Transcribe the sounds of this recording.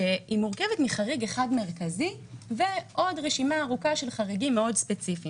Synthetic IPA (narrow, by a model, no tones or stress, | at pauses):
eimuʁke̞vetmiχaʁiɡe̞χadme̞ʁkazi | veʔo̞dʁeʃimaːʁukaʃe̞lχaʁiɡimːeo̞dspet͡sifi